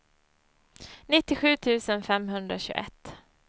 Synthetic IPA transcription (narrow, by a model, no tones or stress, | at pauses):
nɪt̪ːɪɧʉ̟ːt̪ʰʉ̟ːsənfɛmɦɵnd̪ɾaɕʉ̟ːɡɛ̰t̪ː